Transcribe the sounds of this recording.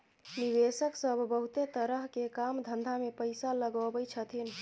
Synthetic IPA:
niʋesəksəbʱbəɦut̪et̪əɾəɦkekamd̪ʱənd̪ʱamepəjsaləɡəbəjt͡ʃʰət̪ʰin

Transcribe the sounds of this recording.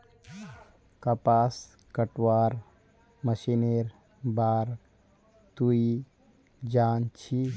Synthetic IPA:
kɐpaːs | kəʈwaːɾ | məʃineɾ | baːɾ | t̪ui | d͡ʒaːnt͡ʃʰi

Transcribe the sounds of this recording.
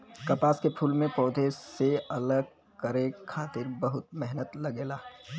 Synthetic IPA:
kɐpaːskepʰuːlmẽpɔːd̪ʱeseɐləɡ̚ | kɐɾẽkʰaːt̪ɪɾbɐɦʊt̪̚mɛɦnət̪lɐɡeːlaː

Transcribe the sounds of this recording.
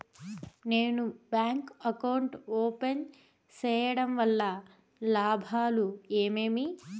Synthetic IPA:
neːnubaːŋkɐkɐwɳʈoːpen | t͡ʃɛːjɐɽɐmʋɐlːɐ | laːbʱaːlueːmeːmi

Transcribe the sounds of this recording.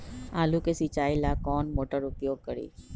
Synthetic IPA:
aːluːkesit͡ʃaːilaːkɔːnmoːʈəɾʊpjoːɡ̚kəɾḭː

